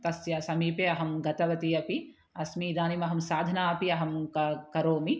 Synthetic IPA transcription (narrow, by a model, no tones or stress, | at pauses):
t̪ɐsjɐsɐmiːpeɐɦɐmɡɐt̪ɐʋɐt̪iɐpi | ɐsmiːd̪aːnimɐɦɐmsaːd̪ʱɐnaːɐpiɐɦɐmkɐkɐɾoːmi